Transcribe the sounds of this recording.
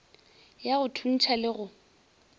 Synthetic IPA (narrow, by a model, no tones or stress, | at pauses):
jaɣʊtʰun̩t͡ʃʰalɪɣʊ